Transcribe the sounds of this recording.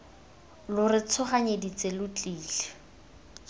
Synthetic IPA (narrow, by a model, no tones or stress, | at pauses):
lʊrɪt͡sʰʊχaɲedit͡sʼelʊt͡ɬʼiːlɪ